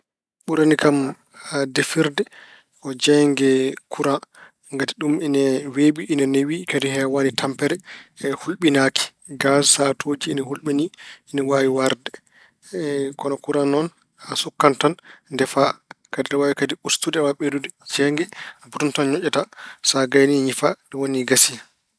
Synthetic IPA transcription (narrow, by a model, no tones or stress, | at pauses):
ɓuɾanikam | adefiɾdɛ | ʔɔd͡ʒɛŋɡɛkʰuɾa | ŋɡatiɗuminɛweɓiʔːnɛnewikadihɛawanitʰampɛɾɛhulɓinaki̥ | ɡassatʰoːd͡ʒiːnɛhulɓiniːnɛwawiwaɾdɛ | kɔnɔkuɾanɔn | asukːantanndɛfakadidɛwawikadiustudɛwaɓedudɛd͡ʒɛŋɡɛbuɾuntɔnɲɔt͡ʃːɛtasaɡajniɲifaɗɛwoniɡasi